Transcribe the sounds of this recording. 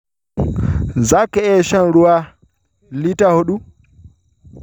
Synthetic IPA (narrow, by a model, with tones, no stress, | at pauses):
za˦kːɛ˦ɛ˦ʃa˦nɾu˦wa˦ | li˦ta˦ho˦ɗu˦